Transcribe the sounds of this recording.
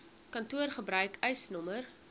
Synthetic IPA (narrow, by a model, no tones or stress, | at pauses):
kɐntuərχəbɾœɥkœjsnɔmər